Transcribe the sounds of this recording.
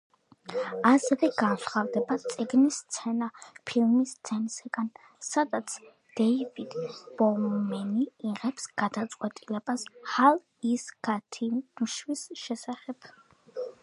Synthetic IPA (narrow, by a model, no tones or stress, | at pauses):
asɛvɛɡansχavd̪ɛbat̪sʼiɡnist̪sʰɛnapʰilmist̪sʰɛnsaɡan | sad̪at̪sʰ | d̪̥ɛivid̪b̥ɔmɛniːʁɛpsɡ̥ad̪at̪sʼqʼwɛt̪ʼilɛbashalˠ | isɡ̥at̪ʰinuʃwisʃɛsaχɛb̥